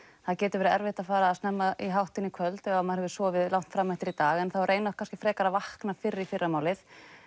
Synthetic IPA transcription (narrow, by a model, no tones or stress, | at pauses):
θaðcɛːt̪ʏɾvɛːɾɪɛɾvɪht̪afaːɾaːsnɛmːaʔiɦawht̪ɪnːɪkʰvœlt̪ɛɣamaðɾhɛvʏ̥sɔːvɪðlawht̪fɾamːɛht̪ɪɾit̪aːɣɛnθawrʔeːjnakʰanscɪ̥fɾɛːkaɾavahknafɪɾɪɾifɪrːamaːwlɪθ